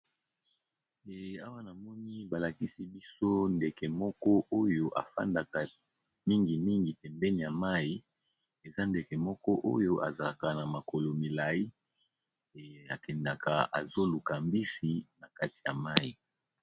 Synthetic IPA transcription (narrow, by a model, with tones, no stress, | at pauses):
a˦wa˦na˨mɔ˦ni˦ba˨la˨ki˦si˦bi˦so˦nde˨kɛ˨mɔ˦kɔ˦ʔo˦jo˦ʔa̰˨fa̰˦nda˨ka˨ | mi˦ŋɡi˨mi˦ŋɡi˨pɛ˨mbɛ˦ni˨ja˨ma˦i˦ | e˨za˦nde˨ke˨mɔ˦kɔ˦ʔo̰˦jo˦ʔa̰˨za˨la˨ka˨na˨ma˨ko˨lo˨mi˨la˨i˦˨ | a̰˨kɛ˨nda˨ka̰˨a̰˨zo˦lu˨ka˨mbi˦si˨na˨ka˦ti̥˨ja˨ma˦ji˨